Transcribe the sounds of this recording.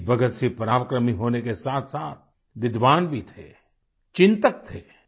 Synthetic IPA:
bɐɡət̪sipɾaːʋəkɾəmiɦoːnekesaːt̪ʰsaːt̪̚ʰ | ʋɪd̪ʋaːnbʱit̪ʰḛ | t͡ʃɪ̃nt̪ək̚t̪ʰeː

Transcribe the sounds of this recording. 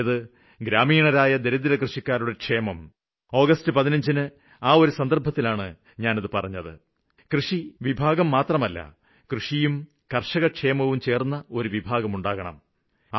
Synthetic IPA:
ðɨ | ɡɾaːmiːɳɐɾaːjɐd̪e̞ɾud̪iɾɐkrɨʂikʲːaːɾuɽe̞kʂe̞ːmɐm | o̞ːɣɐstɨpɐðinɐɲd͡ʑinɨ | aːo̞ɾusɐnd̪ɐrbʱɐt̪ːilaːɳɨ | ɲaːnɐðɨpɐrɐɲːɐðɨ | krɨʂiʋibʱaːɣɐmːaːt̪rɐmɐlːɐ̰ | krɨʂijum | kɐrʂɐɣɐkʂe̞ːmɐʋumt͡ɕe̞ːrnːɐo̞ɾuʋibʱaːɣɐmuɳɖaːɣɐɳɐ̰m

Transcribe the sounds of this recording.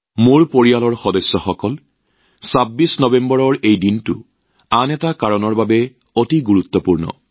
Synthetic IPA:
moɹpoɹijalɔɹxɔdɔsːɔxɔkɔl | sabːisnɔbembɔɹɔɹejdintʊ̰ | anɛtakaɹɔnɔɹbabɛ | otiɡuɹut̪ːɔpuɹnɔ̰

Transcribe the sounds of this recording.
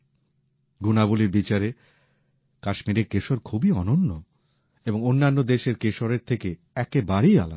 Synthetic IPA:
ɡunabuliɾbit͡ɕaɾe | kaʃmiɾeɾkeʃoɾkʰubiɔnonːo | eboŋonːanːod̪eʃeɾkeʃoɾeɾt̪ʰeke | ɛkebaɾia̰la̰

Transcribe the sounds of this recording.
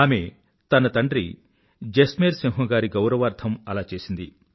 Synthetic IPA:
aːme | t̪ɐnɐt̪ɐɳɖɾḭ | d͡ʒesmeːɾsiŋɦɐɡaːɾiɡɐwɾɐʋaːɾd̪ʱʰɐmɐlaːt͡ʃe̞ːsind̪i

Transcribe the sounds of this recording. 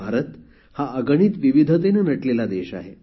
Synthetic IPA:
aɾət̪ | haʔəɡəɳ̃iːt̪ʋiʋid̪ʱət̪̬enenəʈlelad̪eɕa̰ɦḛ

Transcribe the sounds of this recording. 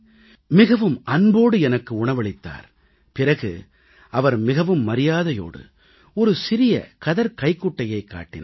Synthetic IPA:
mɪɣɐʋɯmɐnboːɽɯɛnɐkːɯʊɳɐʋɐɭɪt̪ːa̰ːɾ | pɪrɐɣɯ̰ | ɐʋɐɾmɪɣɐʋɯmːɐɾɪjaːðɐjo̰ːɽɯ̰ | ɔɾɯsɪɾɪjɐ̰kɐðɐɾkɐɪkːʊʈːɐjɐɪkːa̰ːʈːɪn

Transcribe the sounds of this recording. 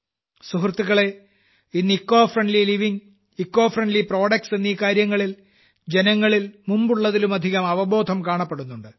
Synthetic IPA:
suɦrt̪ːuɣɐɭe̞ | inːikːo̞ːfrɐɳɖliliʋiŋ | ikːo̞ːfrɐɳɖlipro̞ːɽɐkse̞nːiːkaːɾjɐŋːɐɭil | d͡ʑenɐŋːɐɭilmumbuɭːɐðilumɐd̪ʱiɣɐmɐʋɐbo̞ːd̪ʱɐmkaːɳɐpːeɽunːuɳɖɨ

